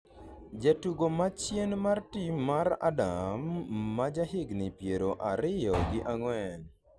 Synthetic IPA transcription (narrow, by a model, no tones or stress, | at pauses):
d͡ʒatuɡomat͡ʃjenmartimaɾa̰damːad͡ʒaɦɪɡnɪpjeɾoʔaɾɪjɔɡɪʔaŋwɛn